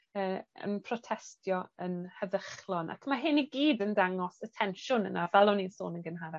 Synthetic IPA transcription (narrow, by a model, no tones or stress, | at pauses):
əːə̰npʰrɔtʰɛstʰjɔənhəðəχlˠɔnʔa̰kʰmaɦɪniɡiːdəndaŋɔsətʰɛnʃʊnə̰navɛlˠɔninso̰ːnənɡənɦaɾa